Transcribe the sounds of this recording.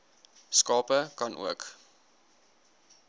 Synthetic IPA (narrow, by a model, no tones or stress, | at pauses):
skɑːpəkɐnʔṵək